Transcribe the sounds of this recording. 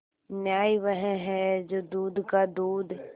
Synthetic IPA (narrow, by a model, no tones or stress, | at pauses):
njaːiʋɛɦɛ̃ɦɛd͡ʒoːd̪uːd̪kad̪uːd̪ʱ